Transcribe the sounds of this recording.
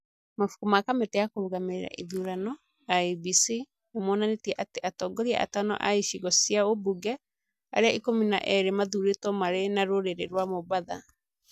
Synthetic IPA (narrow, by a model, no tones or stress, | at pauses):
mafu̥kumakametɛjakoɾoɣameeɾa̰ʔiðuːɾanɔ | aibisi | omonanetiɛʔateʔatɔːɡɔɾia̰ʔa̰tanɔ̰ʔa̰iʃiɣɔsiaobuɡɛ | a̰ɾeaikomina̰ʔɛɾemaðuɾetɔmaɾenaɾoɾeɾeɾwamobaða̰